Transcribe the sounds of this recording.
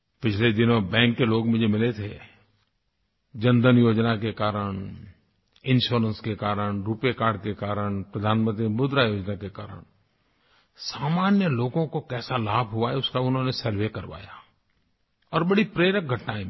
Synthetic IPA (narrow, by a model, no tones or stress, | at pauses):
pɪt͡ʃʰled̪ɪnõbɛ̃ːŋkːeloːɡmɪ̃d͡ʒemɪlet̪ʰe | d͡ʒə̃nd̪ənjoːd͡ʒnakekaːɾəɳ̃ | ɪ̃nʃoːɾə̃nskekaːɾəɳɾuːpjekaːɾɖ̚kekaːɾəɳ̃pɾəd̪ʱaːnmə̃nt̪ɾimʊd̪ɾajoːd͡ʒnakeka̰ːɾə̰ɽ | saːmaːnjəloːɡõkokɛːsalaːbʱɦʊaɦɛʊskaʊnɦõnesəɾwekəɾʋa̰ːja | ɔːɾbəɽipɾeːɾək̚ɡʱəʈnaẽ